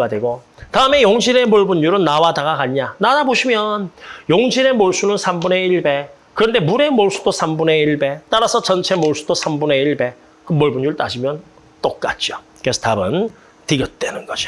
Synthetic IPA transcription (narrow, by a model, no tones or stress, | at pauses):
adweɡotaɯme̞joŋɕʰiɾe̞moɭbunjuɾɯnːawadaɡaɡaɲanadaboɕʰimjʌnjoŋɕʰiɾe̞moɭs͈unɯnsʰambune̞iɭbe̞ | kɯɾʌnde̞muɾe̞moɭs͈u̥dosʰambune̞iɭbe̞t͈aɾasʰʌt͡ɕʌnt͡ɕʰe̞moɭs͈ʰudosʰambune̞iɭbe̞ | kɯmoɭbuɲjuɭt͈ad͡ʑimjʌn | t͈ok̚k͈at̚t͡ɕ͈io | kesʰʌtabɯn | tiɡjʌt̚t͈wenɯnɡʌd͡ʑi